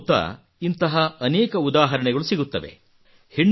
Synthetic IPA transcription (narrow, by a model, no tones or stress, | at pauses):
t̪ːɐ̰ | int̪ɐɦɐɐnɛːkɐud̪aːɦɐɾɐɳɛɡɐɭusiɡut̪ːɐʋḛ | heɳː